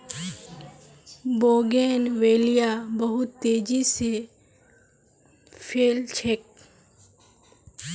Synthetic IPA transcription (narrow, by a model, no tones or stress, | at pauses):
boːɡeːnʋeːlijabɐɦʊt̪ːeːd͡ʒise | pʰeːlt͡ʃʰek̚